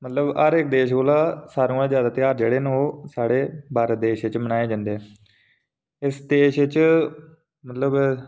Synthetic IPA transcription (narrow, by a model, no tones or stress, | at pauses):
mət̪ləbəɾɪkd̪eːʃɡoːlaːsaːɾũːãːzjaːd̪aːt̪ɪjaːɾd͡ʒeːɽeːnoːsaːɽeːbaːɾəd̪eːʃɪt͡ʃmənaːeːd͡ʒãnd̪eːɛː | ɪsd̪eːʃɪt͡ʃ | mət̪ləb